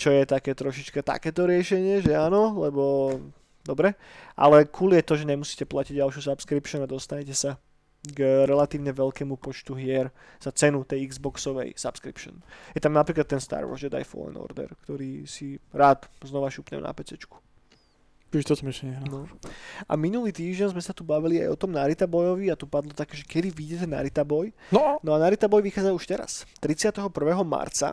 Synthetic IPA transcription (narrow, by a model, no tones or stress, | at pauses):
t͡ʃɔjɛt̪akɛːt̪ɾɔʃit͡ʃkat̪a̰kɛːt̪ɔɾɪɛʃɛɲɪɛʒɛaːnɔlɛbɔ | d̪ɔbɾɛʔa̰lɛkʰuːlijɛt̪ɔʒɛɲɛmusiːcɛplaciɟɟalʃjuːsapskɾipʃɔnad̪ɔst̪aɲcɛsa | ɡɾɛlat̪iːʊɲɛʋɛʎkɛːmupɔt͡ʃt̪uɦɪɛɾz̥at͡sɛnut̪ɛjiɡzbɔksɔʋɛ̰jsapskɾḭpʃɔ̰njɛt̪amnapɾiklat̪ːɛnst̪a̰ːɾwɔ̰ɾzɛd̪a̰jfɔ̰lɛ̰nɔ̰ɾd̪ɛ̰ɾkt̪ɔɾiːsiɾaːd̪znɔʋaʃupɲɛ̰mna̰pɛt͡sɛt͡ʃku̥ | t͡ʃiʒt̪ɔt̪miʃɛɦnɔʔa̰minuliːt̪iːʒɟɛnzmɛsat̪ubaʋilia̰jɔt̪ɔmnaɾit̪abɔjɔʋiat̪upad̪lɔt̪akɛːʒɛkɛd̪iʋiɟɛt̪ɛna̰ɾit̪abɔjnɔanaɾit̪abɔjʋixaːd͡zauʃt̪ɛɾa̰st̪ɾit͡sɪat̪ɛɦɔpr̩ʋɛːɦɔma̰ɾt͡sa̰